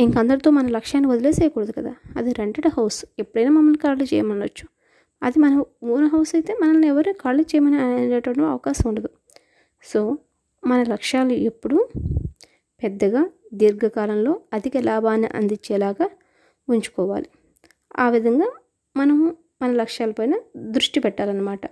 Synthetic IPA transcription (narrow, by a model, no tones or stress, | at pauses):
iŋkɐnd̪ɐɽit̪o̞ːmɐnɐmlɐkʂaːnːiʋod̪ileːsɛːjɐkuːɽɐd̪ukɐd̪a̰ːɐd̪iɾeɳʈɐɽɐɦɐwsu̥epːuɽɐjnaːmɐmːɐlnikaːɾlit͡ʃɛ̰ːjɐmɐnlɐ̰t͡ʃːu̥ | ɐ̰d̪imɐnɐmuːnɐɦɐwsɐjit̪e̞ːmɐnɐlːɛʋɐɾukaːɾlit͡ʃɛːjɐmɐniɐnɐʈːʋɐɳːuɐ̰ʋɐkaːsɐmuɳɖɐd̪u | so̞ː | mɐnɐlɐkʂaːluepːuɽu | pɛd̪ːɐɡaːd̪iɾɡɐkaːlɐmlo̞ːɐd̪ʱikɐlaːbʱaːnːḭʔɐ̰nd̪it͡ʃːɛːlaːɡaː | uɲt͡ʃu̥kɔːʋa̰ːli | a̰ːʋid̪ʱɐŋɡaː | mɐnɐmu | mɐnɐlɐkʂaːlɐpɐjnɐd̪ɾuʂʈipɛʈːaːlɐnːɐmaːʈɐ